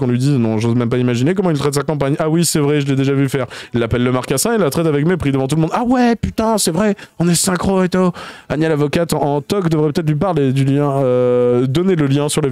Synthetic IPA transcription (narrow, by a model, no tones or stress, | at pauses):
kɔ̃lɥid̪inɔ̃ʒozmɛmpaimaʒinekɔmɑ̃ilt̪χɛt̪sakɑ̃paɲawisɛvʁɛʒəlɛd̪eʒavyfɛʁilːapɛlːəmaʁkasɛ̃eilːat̪χɛt̪avɛkmepχid̪əvɑ̃t̪̬uləmɔ̃d̪awɛpyt̪ɛ̃sɛvʁɛɔ̃nɛsɛ̃kχoet̪uanjɛlavɔkat̪ɑ̃t̪ɔkd̪əvʁɛpə̥t̪ɛt̪χlɥip̬aʁled̪yljɛ̃ød̪ɔneləljɛ̃syʁle